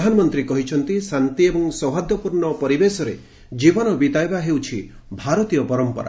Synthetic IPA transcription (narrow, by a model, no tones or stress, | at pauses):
d̪ʱanɔmɔnt̪ɾikɔɦit͡ʃʰɔnt̪isant̪iebɔŋsɔwɦad̪jɔpuɾɳɔpɔɾibesɔɾe | d͡ʒibɔnɔbit̪ajbaɦewt͡ʃʰi | bʱaɾɔt̪ijɔpɔɾɔmpɔ̰ɾa̰